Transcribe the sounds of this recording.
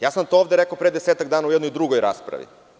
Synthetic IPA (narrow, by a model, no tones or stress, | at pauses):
jaːsant̪ooːvd̪eɾekopɾed̪eseːt̪aɡd̪aːnaujɛd̪nojd̪ɾuɡojɾa̰ːspɾa̰ʋḭ